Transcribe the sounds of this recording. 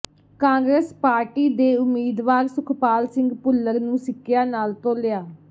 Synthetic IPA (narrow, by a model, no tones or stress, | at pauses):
kãːŋɡɾeːspaːɾʈiːd̪eːʊmːiːd̪ʋaːɾsʊkʰpaːlsɪ̃ŋɡpʊlːəɾnũːsɪkʰːjaːnaːlt̪õːlɪjaː